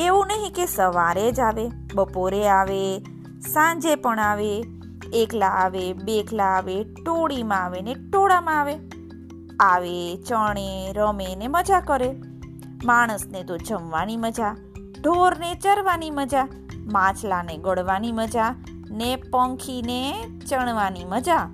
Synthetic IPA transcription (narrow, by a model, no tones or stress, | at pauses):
eʋũnəɦĩkesəʋaɾed͡ʒaʋe | bəpoɾeaʋe | sãɲd͡ʒepəɳaʋeː | klaːʋebekʰlaːʋeʈoɽimãaʋeneʈoɽamãaʋe | aʋet͡ʃəɽ̃eɾəmeneməd͡ʒakəɾe | maɽ̃əsnet̪od͡ʒəmʋaniməd͡ʒa | ɖʱoɾnet͡ʃəɾʋaniməd͡ʒa | mãt͡ʃlaneɡəɽʋaniməd͡ʒa | nepə̃ŋkʰine | t͡ʃəɳ̃ʋaniməd͡ʒa